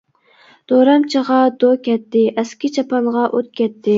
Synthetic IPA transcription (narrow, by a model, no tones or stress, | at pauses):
d̪̥oɾɑmt͡ʃʰəʁɑd̪okʲʰɛt̪ːɪʔɛskʲɪt͡ʃʰɑpɑnʁɑʔot̪̚kʲʰɛt̪ʰːɪ